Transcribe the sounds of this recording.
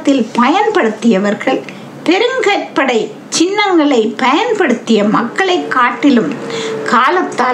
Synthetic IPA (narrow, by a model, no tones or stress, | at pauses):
t̪ːɪlpɐjɐnpɐɽɯt̪ːɪjɐʋɐɾɣɐɭ | pɛɾɯŋɡɐrpɐɽɐɪ | t͡ʃɪnːɐŋɡɐɭɐɪpɐjɐnpɐɽɯt̪ːɪjɐmɐkːɐɭɐɪkːaːʈːɪlɯmkaːlɐt̪ːaː